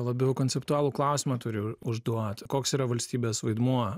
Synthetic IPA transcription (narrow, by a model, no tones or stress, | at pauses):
lˠɐbʲɛʊkonʲsʲɛpt̪ʊɑːlˠuːklˠɐˑʊsʲimɐt̪ʊɾʲʊʊʒd̪uɔt̪koːksiːɾɐʋɐlʲsʲt̪ʲiːbʲeːsʋɐɪd̪muɔ